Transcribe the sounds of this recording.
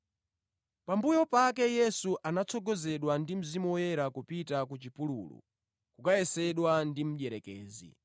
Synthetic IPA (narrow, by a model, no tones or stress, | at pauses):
pambujɔpak̬ɛjɛsuʔanat͡sʰɔɡɔzɛɗwandim̩zimuwɔjɛɾakupitakut͡ʃipululṵ | kukajɛsɛɗwandim̩ɗɛɾɛkɛːzḭ